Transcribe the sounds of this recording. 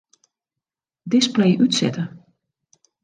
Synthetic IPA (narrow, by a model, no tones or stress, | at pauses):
dɪsplɛjʔytsɛ̰tə